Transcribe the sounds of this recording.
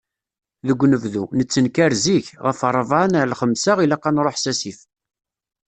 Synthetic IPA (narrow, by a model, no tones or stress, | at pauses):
ðəɡʷːnəvðunət͡sːənkæɾziçʁəfəɾˤəvʕanlχəmsaʁilaqːɑnɾˤoħsæsif